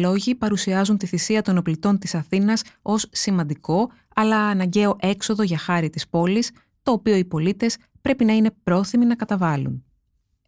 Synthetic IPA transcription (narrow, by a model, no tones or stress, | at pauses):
lo̞ʝipɐɾusiɐzunt̪iθisiɐt̪o̞noplit̪o̞nt̪isɐθinɐso̞sːimɐnd̪iko̞ | ɐlɐːnɐɲɟe̞o̞ʔe̞kso̞ðo̞ʝɐxɐɾit̪ispo̞lis | t̪o̞ːpio̞ipo̞lit̪e̞s | pɾe̞pinɐine̞pɾo̞θiminɐkɐt̪ɐvɐlṵn